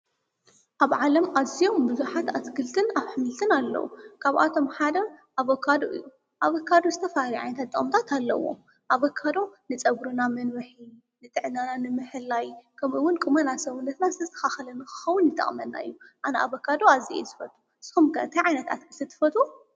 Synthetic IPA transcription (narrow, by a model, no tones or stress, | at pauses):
ʔaβʕalɐmazijo̞mbɨzuħat̪at̪ɡɨlt̪ʰɨnaβħɨmɨlt̪ʰɨnalːɐ̰wṵkʰaβa̰t̪ʰo̞mħad̪ɐʔaβokʰːad̪o̰ʔɨ̰jːu | ʔaβokʰːad̪ozɨt̪ʰɐfɐhaliʕa̰jnɐt̪ʰat̪ːʼɨkʼmt̪ʰat̪ʰalːɐ̰wo̞̰ | ʔaβokʰːad̪o̞nɨt͡sʼɐɡɾɨnamɐnwɨħi | nɨt̪ʼɨʕnananɨmɨħɨlːajkʰɐmɨwʊnkʼɨmɐnasɐwunːɐt̪nazɨt̪ʰɐzt̪ʰɐ̥xaxɐlɐnɨxɨ̥xɐwunjɨt̪ʼɐ̰χʼmɐnːa̰ɨ̰jːuʔanaʔaβokʰːad̪oaziḛjzɨfɐt̪ʼu | sɨ̥xumkʰɐɨt̪ʰɐjʕajnɐt̪a̰t̪ɡɨlt̪ʰɨt̪ʰɨ̥fɐt̪ʼu